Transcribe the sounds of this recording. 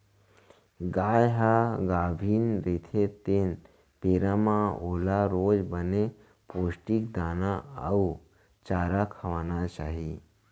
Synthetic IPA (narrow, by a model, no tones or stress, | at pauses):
ɡaːjɦaɡaːbʱiːnɾet̪ʰet̪en | peːɾamãoːlaɾoːd͡ʒbəne | poːsʈik̚d̪aːnaə̰u | t͡ʃaːɾakʰəʋaːnat͡ʃaːɦi